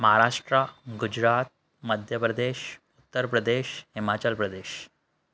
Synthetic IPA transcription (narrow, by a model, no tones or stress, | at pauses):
məɦaɾaʂʈɾaɡud͡ʑɾat̪̚ | məd̪ʱjəpɾəd̪eɕ | ut̪ːəɾpɾəd̪eɕhimat͡ɕəlpɾəd̪eɕ